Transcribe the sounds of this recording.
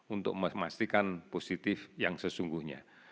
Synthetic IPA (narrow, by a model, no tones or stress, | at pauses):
unt̪ʊk̚məmast̪ikanposit̪ɪfjaŋsəsuŋɡuhɲa̰